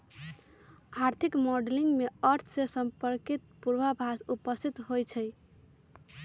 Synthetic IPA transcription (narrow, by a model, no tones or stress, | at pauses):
aɾt̪ʰikmoɖeliŋɡmeəɾt̪ʰsesəmpəɾkit̪̚puɾbabʱasupəst̪ʰit̪ɦojt͡ʃʰəj